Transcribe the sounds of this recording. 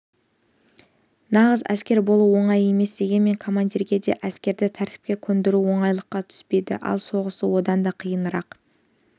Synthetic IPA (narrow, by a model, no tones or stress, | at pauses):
nɑʁəzæ̰skʲe̞ɾbo̞lˠuwo̞ɴɑje̞me̞sd̪e̞ɡʲe̞nme̞ŋkʰo̞mand̪iɾɡʲe̞d̪e̞̰ʔæskʲe̞ɾd̪ɪt̪ʰæɾt̪ɪ̥p̚kʲe̞kʲʰɵnd̪ɪɾuwo̞ɴɑjlˠəqːɑt̪ʰʏ̥spe̞jd̪ɪ̰ʔɑ̰lˠso̞ʁəsəwo̞d̪ɑnd̪ɑqʰijənəɾɑq